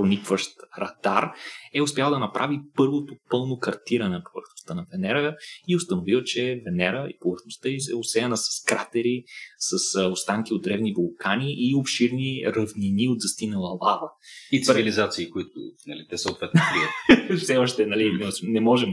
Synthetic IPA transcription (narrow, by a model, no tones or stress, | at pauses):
pɾonikvəʃt̪ɾɐd̪aɾɛʊspʲjalˠd̪ɐnɐpɾʔavipɤɾvot̪opɤlˠnokɐɾt̪iɾɐnɛpovə̰ɾxnost̪ənɐvɛnɛɾəiost̪ɐnovilˠt͡ʃɛvɛnɛɾəḭpovəɾxnost̪əisɛosɛɐnəsɐ̥skɾat̪ɛɾisɐsost̪aŋkiod̪d̪ɾɛvnivolˠkaniʔːofʃiɾniɾɐvniniod̪zɐst̪inəlˠəlˠavəit̪ivilizat̪siːkoit̪ʊ̰nɐlit̪ɛsəot̪vɛt̪nvit̪fsɛɔʃt̪ɛnɐlinsnɛmɔʒɛm